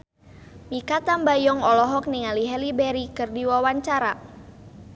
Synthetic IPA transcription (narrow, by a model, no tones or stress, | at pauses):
mikat̪ambajɔŋɔlɔɦɔk̚niŋaliɦɛlibɛɾikɨrdiwawaɲt͡ʃaɾa